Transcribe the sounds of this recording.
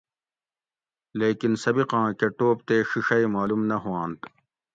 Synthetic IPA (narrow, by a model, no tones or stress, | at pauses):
leːkinsɐbiqãːkeʈoːp̚t̪eːɕiʂɐjmaːlumnɐɦuãːnt̪